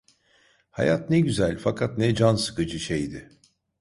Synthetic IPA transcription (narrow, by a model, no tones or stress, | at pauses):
ha̰jat̪nɛɟyzælʲfakʰat̪nɛd͡ʒansɯ̥kɯd͡ʒɯʃejd̪ɪ